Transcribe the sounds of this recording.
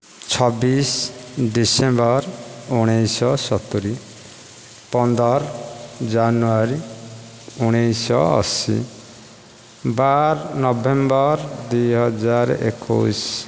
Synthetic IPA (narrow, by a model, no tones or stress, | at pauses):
t͡ʃʰɔbisɖisembɔɾuɽ̃ejsɔsɔt̪uɾi | pɔnd̪ɔɾd͡ʒanuaɾi | uɽ̃ijsɔ̰ɔ̰sḭ | baɾnɔbembɔɾd̪ujɦɔd͡ʒaɾḛkʰṵs